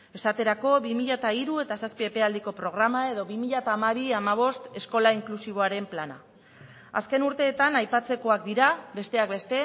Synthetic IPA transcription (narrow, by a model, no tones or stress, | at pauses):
e̞sat̪e̞ɾako̞βimiʎat̪aiɾue̞t̪asaspiepe̞ald̪iko̞pɾo̞ɣ̞ɾamae̞ðo̞βimiʎat̪aːmaβ̞iamaβ̞o̞st̪e̞sko̞laiŋklusiβ̞o̞aɾe̞mplana̰ | a̰ske̞nuɾt̪e̞ːt̪anajpat͡se̞ko̞ak̚d̪iɾabe̞st̪e̞ak̚be̞st̪e̞